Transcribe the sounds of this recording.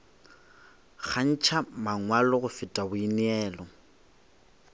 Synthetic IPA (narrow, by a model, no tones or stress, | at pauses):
k͡xʰan̩t͡ʃʰamaŋwalɔɣʊfɪtʼabʊinɪɛːlɔ